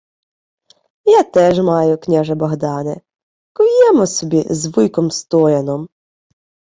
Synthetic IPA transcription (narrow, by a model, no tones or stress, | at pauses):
jat̪ɛʒmɑjʊknʲaʒɐbɔɦd̪ɑnɛ̰ | kɔjɛmɔsɔbʲizʋɪjkɔmst̪ɔjɐnɔm